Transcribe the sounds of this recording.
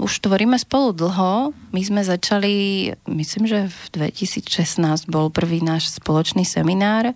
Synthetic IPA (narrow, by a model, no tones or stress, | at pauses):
ṵʃt̪ʋɔɾiːmɛspɔlud̪l̩ˠɦɔmizmɛzat͡ʃalimisliːmʒɛvd̪ʋɛ̰cisiːt͡sʃɛsnaːzɟbɔlpr̩ʋiːnaːʃspɔlɔt͡ʃniːsɛminaːɾ